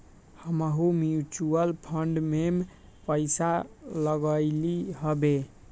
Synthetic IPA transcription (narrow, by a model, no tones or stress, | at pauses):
həməɦumjut͡ʃuəlpʰəɳɖmem | pəɪsaləɡəɪliɦəbe